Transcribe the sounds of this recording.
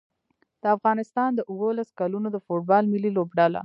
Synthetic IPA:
d̪̥əafɣɑnɪst̪ɑnd̪əʔʊwəlaskalunod̪əfoʈ̚bɑlmɪlilobɖala̰

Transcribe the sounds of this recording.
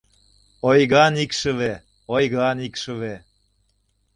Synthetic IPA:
ojɣɑnikʃə̆βe | ojɣɑnikʃə̆βe

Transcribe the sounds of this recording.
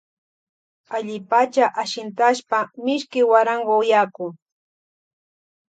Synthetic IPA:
aʎɪpat͡ʃaʔaʃɪnt̪aʃpamɪʃkɪwaɾaɴwaʊjakʊŋ

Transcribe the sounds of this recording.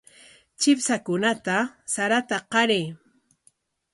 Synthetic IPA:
t͡ʃɪpsakʊnat̪asaɾat̪aqɑɾeː

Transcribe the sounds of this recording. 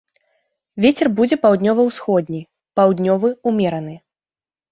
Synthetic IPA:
vʲet͡sʲɛrbud͡zʲɛpawd̪ʲnʲɔvɐwsxɔd̪ʲnʲij | pawd̪ʲnʲɔvɨumʲɛɾɐn̪ɨ

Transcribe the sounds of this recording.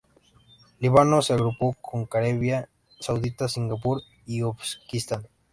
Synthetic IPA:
liβanoseaɣɾupokʰoŋkaɾeβja | sawðit̪asiŋɡapuɾ | iopskist̪an

